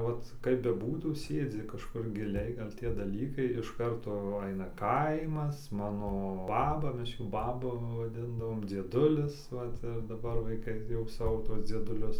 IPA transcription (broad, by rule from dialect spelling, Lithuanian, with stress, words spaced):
ˈʋɐt kɐɪp bʲɛˈbuːtuː ˈsʲeːd͡zʲɪ kɐʃˈkʊr ɡʲɪˈlʲɛɪ ˈɡɐlʲ ˈtʲiɛ dɐˈlʲiːkɐɪ ɪʃ ˈkɐrtoː ˈɐɪnɐ ˈkɐɪmɐs ˈmɑːnoː ˈbɑːbɐ ˈmʲɛs ˈjuː ˈbɑːbʊ ʋɐˈdʲɪndɐʋoːm d͡zʲiɛˈdʊlʲɪs ˈʋɐt ɪr dɐˈbɐr ʋɐɪˈkɐɪ jɛʊ ˈsɑːʋoː ˈtuɔs d͡zʲiɛdʊˈlʲʊs